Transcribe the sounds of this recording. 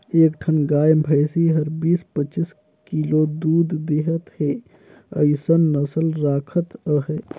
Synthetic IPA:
eːkʈʰɐnɡaːjmbʱɐjsiɦɐɾbiːspɐt͡ʃɪs | kiːloːd̪uːd̪d̪eɦət̪heː | ɐ̰jsənːɐsəlɾaːkʰət̪əɦɛ

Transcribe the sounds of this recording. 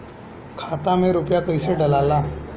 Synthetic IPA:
kʰaːt̪amẽɾʊpjakɐiseɖɐlaːlãː

